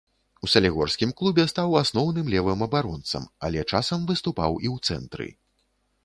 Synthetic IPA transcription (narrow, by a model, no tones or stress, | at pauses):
usɐlʲiɣɔrsʲkʲimklˠubʲɛst̪awasnɔwnɨmlʲɛvɨmɐbaɾɔnt̪sɐ̰mɐ̰lʲɛt͡ʂasɐmvɨst̪upa̰wiwt̪sɛ̰nt̪ɾɨ̰